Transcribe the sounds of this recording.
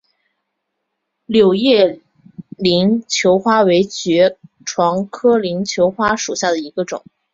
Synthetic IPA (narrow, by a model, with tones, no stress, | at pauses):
ljo˨˩ʊjɛ˥˩ | li˧˥nt͡ɕʰjo˧˥ʊxwa˥we˧˥ɪt͡ɕɥɛ˧˥ | ʈ͡ʂʰwɑ˧˥ŋkʰɤ˥li˧˥ŋt͡ɕʰjo˧˥ʊxwa˥ʂu˨˩ɕja˥˩d̪ə˩i˧˥ɡə˧ʈ͡ʂʊ̰˨˩˦ŋ